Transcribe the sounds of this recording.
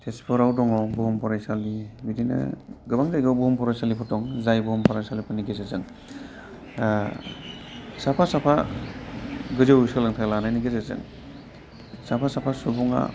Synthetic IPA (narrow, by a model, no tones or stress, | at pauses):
tʰespʰɔɾawdɔŋɔbɔɦɔmpʰɔɾajsalibidinɯ̰ɡɯbaŋzajɡɔbɔhɔmpʰɔɾajsalipʰɔtɔŋzajbɔhɔmpʰɔɾajsalipʰɔniɡezazɯŋ | sapʰasapʰa | ɡɯzɯwsɯlaŋtʰalanajniɡezazɯ̰ŋ | sapʰasapʰasubuŋa̰